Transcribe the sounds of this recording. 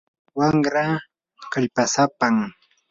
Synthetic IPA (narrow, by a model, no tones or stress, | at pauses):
waŋɾa | kaʎpasapaŋ